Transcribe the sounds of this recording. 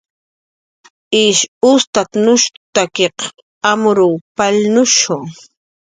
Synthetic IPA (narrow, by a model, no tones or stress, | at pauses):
ɪʃʊst̪at̪nʊʃt̪akeq | amʊɾʊwpalnʊʃʊŋ